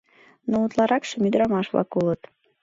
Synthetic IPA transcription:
nout̪lˠɑɾɑkʃəmyd̪ɾɑmɑʃβlɑ̰kulət̪

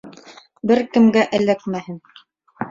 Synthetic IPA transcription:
bɘɾkɘ̆mɡæʔɘ̆lækmæhɘn

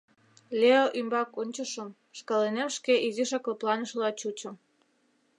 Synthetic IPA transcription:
lʲeoʔymbɑkonʲt͡ɕəʃəm | ʃkɑlenemʃkeʔiziʃɑkloplɑnəʃəlɑt͡ɕut͡ɕə̆m

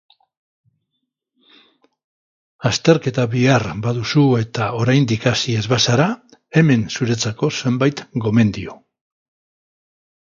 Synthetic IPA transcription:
ast̪e̞ɾke̞t̪aβiaɾbaðusue̞t̪ao̞ɾajnd̪ikasie̞zβasaɾa | e̞me̞nsuɾe̞t͡sako̞se̞mbajt̪ɡo̞me̞nd̪io̞

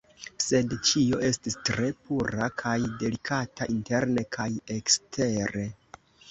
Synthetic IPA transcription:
se̞dt͡ʃio̞ʔe̞stistɾe̞puɾakʰajde̞likʰataʔinte̞ɾne̞kʰajekstʰe̞ɾe̞

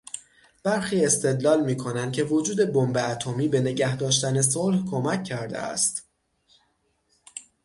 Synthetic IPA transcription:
b̥æɾxiːe̞st̪e̞d̪lɒːlmiːkʰo̞nænd̪kcʰe̞vo̞d͡ʒuːd̪e̞bombeæt̪ʰomiːbe̞ne̞ɟæhd̪ɒːʃt̪æne̞s̬olhkʰomæcʰːæɾd̪ḛʔæ̰st̪

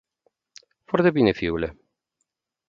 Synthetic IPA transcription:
fart̪ebinefiule

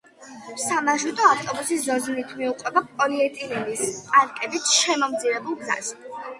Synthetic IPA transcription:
samaʒut̪ʼɔaft̪ʼɔbusiszɔznit̪ʰmiuqʼwɛbapʼɔliɛt̪ʼilɛnispʼaɾkʼɛbit̪ʰʃɛmɔmd̪ziɾɛbulˠɡza̰s

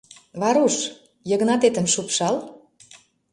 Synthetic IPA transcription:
βɑɾuʃ | jə̆ɣnɑt̪et̪ə̆mʃupʃɑl

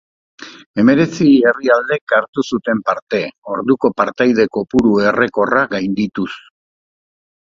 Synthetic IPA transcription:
e̞me̞ɾe̞t͡sie̞riald̪e̞kaɾt̪usut̪e̞mpaɾt̪e̞o̞ɾðuko̞paɾt̪ajð̞e̞ko̞puɾue̞re̞ko̞raɡajnd̪it̪us

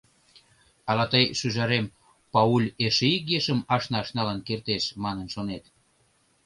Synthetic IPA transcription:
ɑlɑt̪əjʃyʒɑɾem | pɑulʲeʃeikjeʃəmɑʃnɑʃnɑlənkert̪eʃmɑnənʃonet̪

